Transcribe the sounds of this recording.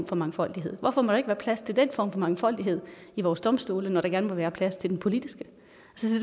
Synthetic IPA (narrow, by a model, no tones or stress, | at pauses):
mfɒ̽mɑ̈ŋfɒ̽l̰d̥iɦe̝ð̰ˠʋɒfɒ̽mɒɾ̥ɑ̈e̝ɡ̥ʋæːɐpʰlæst͡sʰe̝ld̥enfɒ̰ːmfɒ̽mɑ̈ŋfɒ̽l̰d̥iɦe̝ð̰ˠiʋɒːsd̥ɒ̽msd̥o̝ːlənɒɾ̥ɑ̈ɡ̥æɐnəmeʋæːɐpʰlæst͡sʰe̝ld̥enpʰo̝lid̥isɡ̥ə | ælsəsi